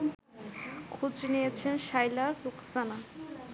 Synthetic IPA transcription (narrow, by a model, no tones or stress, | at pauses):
kʰud͡zinejet͡sʰenʃajlaɾːukʰsana